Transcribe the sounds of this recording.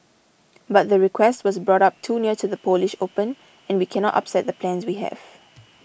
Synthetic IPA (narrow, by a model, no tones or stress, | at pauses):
bat̚ðəɹikʰwɛstwɔsbɹɔɾap̚tʰuːniətuðəpʰolɪʃopə̃n | ɛ̃nwikʰɛnɔtʔa̰psɛt̚d̪əpʰlɛ̃nswiɦɛ̰v̥